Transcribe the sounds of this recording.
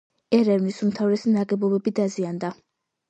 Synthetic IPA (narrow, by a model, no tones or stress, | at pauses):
ɛɾɛvnisumt̪ʰavɾɛsinaɡʼɛbɔbɛbid̪aziand̪a